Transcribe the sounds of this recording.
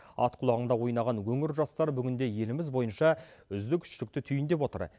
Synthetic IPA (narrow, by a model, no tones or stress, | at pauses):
ɑ̰t̪qʰʊlˠɑʁəɴd̪ɑwo̞jnɑʁɑnwɵŋɪɾʒɑst̪ɑɾbʏɡʲɪnd̪e̞je̞lɪmɪzbo̞jənʃɑ | ʏzd̪ɪkʲʰʏ̥ʃlɪk̚t̪ɪt̪ʰʏjɪnd̪e̞pwo̞t̪ə̰ɾ